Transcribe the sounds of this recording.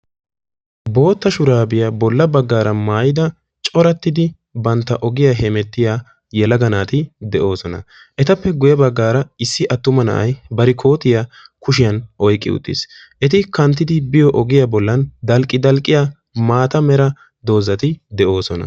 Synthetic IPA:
bo̞ːt̪ːɐʃʊɾaːbɪjabɔlːɐbɐɡːaːɾɐmaːjɪd̪ɐ | t͡ʃʼɔɾɐt̪ːɪd̪ɪ | bɐnt̪ːɐʔɔɡɪjaɦɛmɛt̪ːɪjaː | jɛlɐɡɐnaːt̪ɪd̪ɛʔo̞ːsɔnɐ̰ | ʔɛt̪ɐpːɛɡʊjɐbɐɡːaːɾɐɪsːɪʔɐt̪ːʊmɐnɐ̰ʔɐ̰jbɐɾɪkʰo̞ːt̪ɪjakʊʃɪjɐnʔɔjkʼːɪ̰ʊ̰t̪ʼːɪ̰s | ʔɛt̪ɪkɐnt̪ːɪd̪ɪbɪjɔʔɔɡɪjaːbɔlːɐnd̪ɐlkʼːɪd̪ɐlkʼːɪjaː | maːt̪ɐmɛɾɐ | d̪o̞ːzɐt̪ɪd̪ɛʔo̞ːsɔnɐ̰

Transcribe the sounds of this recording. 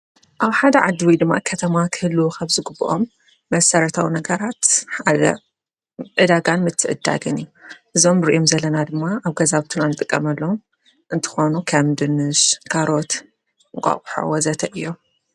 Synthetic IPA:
ʔaβħad̪ɐʕad̪ːiwijd̪ɨmːa̰kʰɐt̪ʰɐmakʰɨhɨlːukʰɐβzɨɡɨbːɨʔomː | ɐsɐɾɐt̪ʰawinɐɡɐɾat̪ħad̪ɐ̰ | ʔɨd̪aɡanmɨt̪ʰːɨʔɨ̰d̪ːa̰ɡɨnɨjːuʔɨzo̞mɾɨʔomzɐlɐnad̪ɨmːaʔaβɡɐzaβt̪ʰunanːɨt̪ʼɨkʼːɐmɐlːom | ʔɨnt̪ʰɨ̥xo̞nukʰɐmd̪ɨnɨʃkʰaɾo̞t̪ | ɨŋkʼa̰χʼħo̰wɐzɐt̪ʰɐʔɨjːo̞

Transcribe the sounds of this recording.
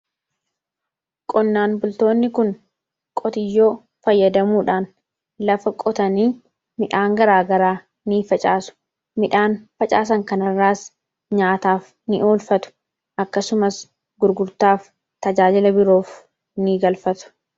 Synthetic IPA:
kʼɔnːaːnbʊlt̪o̞ːnːɪkʊn | kʼɔt̪ɪjːo̞ː | fɐjːɐd̪ɐmuːᶑaːn | lɐfɐkʼɔt̪ɐniː | mɪᶑaːŋɡɐɾaːɡɐɾaː | niːfɐt͡ʃʼaːsʊ̥ | mɪᶑaːnfɐt͡ʃʼa̰ːs̬ɐŋkɐnɐrːaːs | ɲaːt̪aːf | nɪʔoːlfɐt̪ʊ̥ | ʔɐkːɐsʊmɐs | ɡʊɾɡʊɾt̪aːf | t̪ɐd͡ʒaːd͡ʒɪlɐbɪɾo̞ːf | niːɡɐlfɐt̪ʊ̥

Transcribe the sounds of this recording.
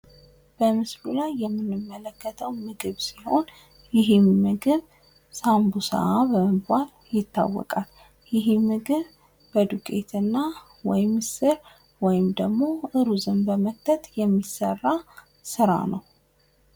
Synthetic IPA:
b̥əmɨslulajːɛmːɨnːɨmːələkːət̪ʰəwmɨɡɨβsiho̞n | jɪɦɪmːɨɡɨβ | sambusa̰ʔabəməbal | jɪt̪ːa̰wːɔ̰kʼal | jɪɦɪmɨɡɨβ | bəd̪ukʼḛt̪ʰɨnːa | wɔjɪmsɨɾ | wɔjɪmd̪əɡmo̞ʔɨɾuzɨmbəmək̚t̪ʰət̪jɛmːisərːa | sɨɾa̰nəw

